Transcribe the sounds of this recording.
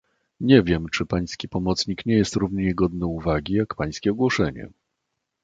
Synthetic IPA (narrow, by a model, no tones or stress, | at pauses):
ɲɛvʲjɛmt͡ʂɘpaj̃skʲipɔmɔt̪sɲikɲɛjɛst̪ɾuvɲɛɲɛɡɔd̪nɛuvaɡʲijakpaj̃skʲɛɔɡwɔʂɛɲɛ̰